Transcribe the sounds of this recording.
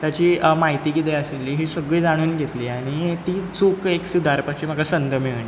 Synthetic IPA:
t̪jat͡ɕiːmaɦit̪iːɡid̪eəselːiːɦiːsəɡɭiːd͡zaɽ̃uːnɡʱet̪liːaɽ̃it̪iːt͡sukeksud̪ʱaɾpaɕiːm̤akasənd̪əmiʋɳiː

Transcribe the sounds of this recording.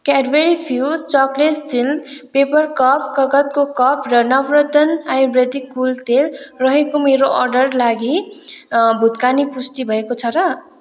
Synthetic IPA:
kaɖweɾipʰiuudt͡sʌkleʈsild̪pepʌrkʌp̚kʌɡʌt̪̚kokʌprʌnʌbrʌt̪ʌnajubred̪ikːult̪elrʌɦekomeɾoʔʌrɖʌrlaɡi | bʱud̪kanipusʈ̪ibʱʌekot͡sʰʌɾʌ

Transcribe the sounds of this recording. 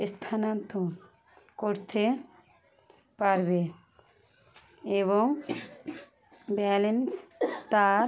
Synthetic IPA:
st̪ʰanant̪o | koɾt̪e | paɾbe | eβoŋ | bɛlenst̪aɾ

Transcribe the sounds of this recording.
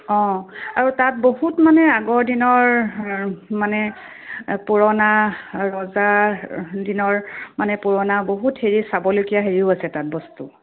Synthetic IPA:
ɔ̃aɹutat̚boɦutmanɛaɡɔɹdinɔɹ | manɛ | poɹɔnaɹɔza | dinɔɹmanɛpuɹɔnaboɦutheɹisabɔlojkijaɦeɹiʊasɛtat̚bɔstṵ

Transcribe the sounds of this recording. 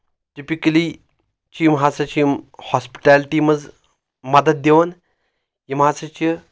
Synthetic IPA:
ʈipikɐli | t͡ʃimɦat͡sɐt͡ʃimhɔspi̥ʈalʈimɐd͡z | mɐd̪ɐt̪̚d̪eʋən | jimɦat͡sɐt͡ʃi

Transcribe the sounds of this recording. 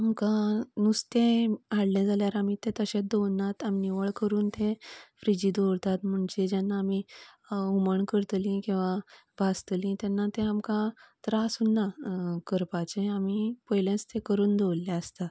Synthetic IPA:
amkãnust̪ẽaɽled͡zaljaɾamit̪ẽt̪əɕẽd̪onːat̪aminiʋəɭkəɾuːnt̪ʰẽfɾid͡ʑiːd̪oɾt̪at̪m̤uɳd͡ʑed͡ʑanːaːmi | uməɳkəɾt̪lĩkĩw̃ʋa | bʱast̪lĩt̪ɛnːat̪ẽamkãt̪ɾasunːakəɾpat͡ɕeamipəjlãst̪ẽkəɾuːnd̪ʱewlːaəst̪a

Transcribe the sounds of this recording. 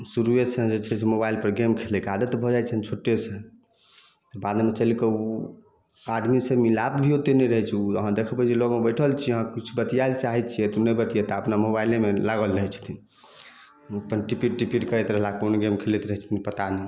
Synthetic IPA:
suɾuesə̃d͡ʒet͡ʃʰɛsemobailpəɾɡemkʰelekad̪ət̪bʱɔd͡ʒajt͡ʃʰənt͡ʃʰoʈːesẽ | t̪ɔbad̪met͡ʃəlikəu | ad̪misemilabbʱiot̪enɛɾəɦɛt͡ʃʰəɦãd̪ekʰəbəd͡ʒeloɡmebəjʈʰəlt͡ʃʰiəɦãkit͡ʃʰubət̪ijailt͡ʃaɦɛt͡ʃʰijɛt̪onəjbət̪ijɛt̪aəpnamobailemelaɡəlɾəɦɛt͡ʃʰt̪ʰi | əpənʈipiʈʈipiʈkəɾɛt̪ɾəɦlakonɡemkʰelet̪ɾəɦɛt͡ʃʰt̪ʰinpət̪anɛ

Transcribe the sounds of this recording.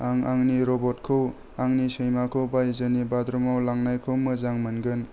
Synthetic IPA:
aŋaŋniɾɔbɔt̚kʰɯw | aŋnisɯjmakʰɯwbajzɯnibadɾɔmawlaŋnajkʰɯwmɯzaŋmɯnɡɯn

